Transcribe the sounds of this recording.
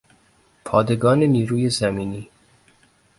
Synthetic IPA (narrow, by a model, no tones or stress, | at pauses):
pʰɒːd̪e̞ɡɒːneniːɾuːjezæmiːniː